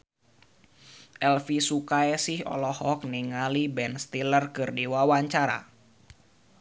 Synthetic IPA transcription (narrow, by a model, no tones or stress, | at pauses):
ʔɛlfisukaɛsihɔ̰lɔhɔk̚niŋalibɛnst̪ilərkɨrdiwawaɲt͡ʃaɾa̰